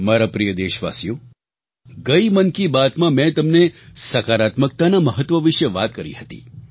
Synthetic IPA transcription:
maɾapɾijəd̪eʃʋa̰sijo | ɡəimənkibat̪mãmɛ̃t̪əmnesəkaɾat̪mək̚t̪anaməɦət̪ʋəʋɪʃəʋat̪̚kəɾḭɦət̪ḭ

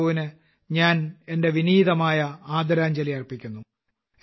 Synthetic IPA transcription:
uʋinɨ | ɲaːne̞nde̞ʋiniːðɐmaːjɐaːd̪ɐɾaːɲd͡ʑɐliɐrpikʲːunːu

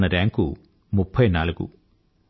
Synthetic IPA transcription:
ɐɾaːŋku | mupʰːɐjnaːɭkṵ

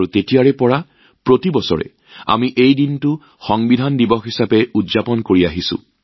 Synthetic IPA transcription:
utetijaɹɛpɔɹa | pɹotibɔsɔ̰ɹɛ̰ | a̰miʔejdintʊ | xɔŋbidʱandibɔxɦisapɛudzapɔnkoɹiaɦisʊ̰̃

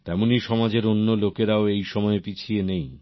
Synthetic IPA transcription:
t̪ɛmoniʃɔmad͡ʑeɾonːolokeɾaoejʃɔmɔepit͡ɕʰienej

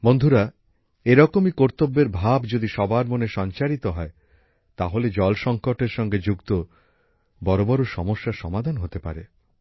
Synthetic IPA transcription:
mond̪ʱuɾa | eɾɔkomikoɾt̪obːeɾbʱabd͡ʑod̪iʃɔbaɾmoneʃɔɲt͡ɕaɾit̪oɦɔe | t̪aɦoled͡ʑɔlʃɔŋkoʈeɾʃɔŋɡed͡ʑuɡt̪o | bɔɾobɔɾoʃɔmoʃːaɾʃɔmad̪ʱanɦot̪epa̰ɾe

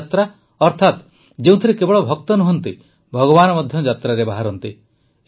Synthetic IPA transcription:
t̪ɾa | ɔɾt̪ʰat̪ | d͡ʒeũt̪ʰiɾekebɔɭɔbʱɔk̚t̪ɔnuɦɔnt̪i | bʱɔɡɔbanɔmɔd̪ʱjɔd͡ʒat̪ɾaɾebaɦaɾɔnt̪i

